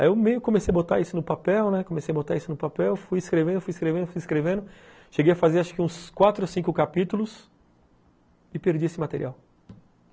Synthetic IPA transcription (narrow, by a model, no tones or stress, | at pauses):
aewmejʊkõmesejɐbot̪a̰isʊnʊpapɛwnɛkomesejɐbot̪a̰isʊnʊpapɛwfujɪskɾevẽnd̪ofujiskɾevẽd̪ʊfujiskɾevẽnd̪ʊ | ʃeɡejɐfazeɾaʃʊkɪũskwat̪ɾʊosĩkʊkapit̪ulʊs | ɪpeɾd͡ʒiesɪmat̪eɾḭaw